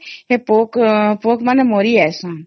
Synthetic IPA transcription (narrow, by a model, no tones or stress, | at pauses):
ɦepokpoːkmanemoːɾiɛsã